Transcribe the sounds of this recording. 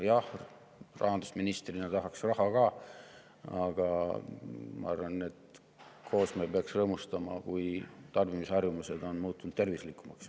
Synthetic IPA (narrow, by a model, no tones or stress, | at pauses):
jɑh | rʔɑ̰ɦɑnd̪u̥sminist̪rinɑt̪ɑɦɑksrɑɦɑkɑː | ɑɡ̥ɑ | mɑ̰ɑ̰rvɑnːet̪ | kʰo̞ːsmeːpeɑksrɤːmust̪ɑmɑ̰kujt̪ɑrvimisɑrjumuse̞d̪o̞nmuːt̪ːˑunud̪t̪ːe̞rvislikˑːumɑ̰ks